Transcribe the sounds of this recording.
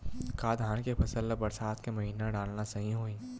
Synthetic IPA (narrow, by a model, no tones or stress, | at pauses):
kaːd̪ʱaːnkepʰɐsəlːəbɐɾsaːt̪kemɐɦiːnaɖaːlnasɐɦĩɦoːĩː